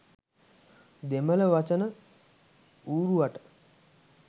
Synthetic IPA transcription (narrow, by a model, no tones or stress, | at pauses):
d̪emələʋat͡ʃənə | uːɾuʋaʈə̥